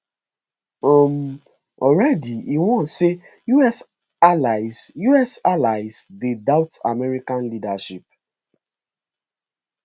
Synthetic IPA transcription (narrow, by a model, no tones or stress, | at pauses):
ɔm̩ | ɔɹɛdiiwɔ̃se | juɛs | alaɪzjuɛsalaɪzdedaʊta̰mɛɹikãnlidaʃip̚